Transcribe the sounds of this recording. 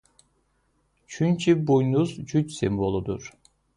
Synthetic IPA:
t͡ʃʰynt͡ʃʰibujnuzd͡ʒʰyt͡ʃsimbolˠud̪ṵɾ

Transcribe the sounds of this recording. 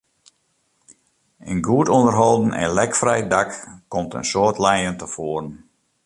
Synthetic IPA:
ənɡuətondərɦɔlˠdn̩ɛ̰nlɛkfrɛjdakkːɔmtə̰nsoətlɛjəntəfoərən

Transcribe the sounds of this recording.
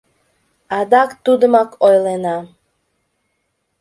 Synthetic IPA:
ad̪akt̪ud̪makojlena

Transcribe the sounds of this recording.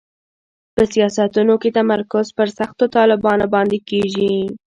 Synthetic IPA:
pəsijɑsat̪unoket̪amaɾkʊzpəɾsaxt̪ot̪ɑlɪbɑnobɑnd̪ekeʒi

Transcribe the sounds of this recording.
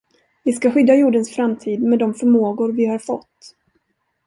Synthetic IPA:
vɪskaɧʏd̪ːajuːɖənsfɾamt̪ʰiːd̪mɛd̪ɔmfœɾmoːɡʊɾvɪhaɾfɔt̪ː

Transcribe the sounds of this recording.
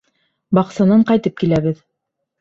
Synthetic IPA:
bɑqsɑnɑɴqɑjt̪ɤp̚kilæβɘð

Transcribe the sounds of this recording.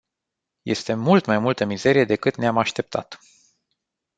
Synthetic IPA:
je̞̰st̪e̞mult̪majmult̪əmize̞ɾije̞d̪e̞kɨt̪neamaʃt̪e̞p̚t̪ʰa̰t̪

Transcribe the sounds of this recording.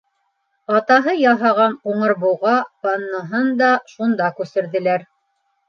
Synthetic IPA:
ɑt̪ɑɦɤjɑɦɑʁɑnquɴɤ̆ɾβuwʁɑpɑnːɤ̆ɦɤnd̪ɑʃund̪ɑkʉsɘ̆ɾðɘ̆læɾ

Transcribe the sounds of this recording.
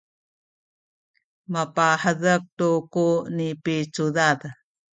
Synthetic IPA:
mapaħəðək̚tukunipit͡suðað

